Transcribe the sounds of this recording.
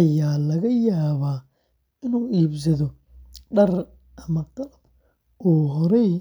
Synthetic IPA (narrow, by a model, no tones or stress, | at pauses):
ɐjaːlɐɣɐjaːβaː | ɪnuːʔiːbs̬ɐðɔ | ɗɐr | ʔɐmɐqɐlɐb̚ | ɔːɦɔɾɛj